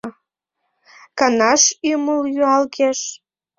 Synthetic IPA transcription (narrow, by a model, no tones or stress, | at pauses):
kɑnɑʃyməljyɑlkeʃ